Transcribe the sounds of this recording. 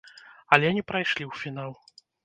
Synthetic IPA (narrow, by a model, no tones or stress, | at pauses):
ɐlʲɛnʲipɾajʂlʲiwfʲinalˠ